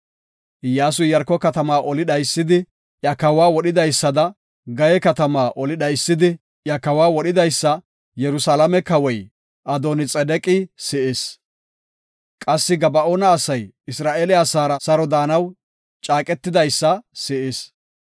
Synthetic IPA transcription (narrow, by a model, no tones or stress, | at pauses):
jaːs̬ʊjjɐɾkːɔkɐt̪ɐmaːʔɔlɪd̪ɐjsːɪd̪ɪ | ʔjɐkɐwaːwɔɗɪd̪ɐjsːɐd̪ɐ | ɡɐjɛkɐt̪ɐmaːʔɔlɪd̪ɐjsːɪd̪ɪ | jɐkɐwaːwɔɗɪd̪ɐjsːɐ | jɛɾʊsalɐmɛkɐwɔj | ʔɐd̪oːnɪt͡sʼɛd̪ɛkʼɪsɪʔɪs | kʼɐsːɪɡɐbɐʔonɐːsɐj | ɪsɾaːʔeːlɪasaːɾɐsɐɾɔd̪aːnɐw | t͡ʃʼaːkʼɛt̪ːɪd̪ɐjsːɐsɪʔɪs